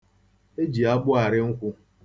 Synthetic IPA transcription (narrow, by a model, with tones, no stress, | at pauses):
e˦d͡ʒi˨a˦bʊ˦a˨ɾɪ˦ŋ̩˦kʷʊ˦